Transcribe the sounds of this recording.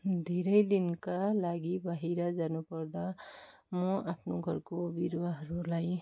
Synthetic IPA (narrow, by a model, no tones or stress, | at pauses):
d̪ʱeɾəjd̪inkalaɡibaɦiɾad͡ʒanupʌɾd̪a | moapʰnoɡʱʌɾkobiɾwaɦʌɾulaj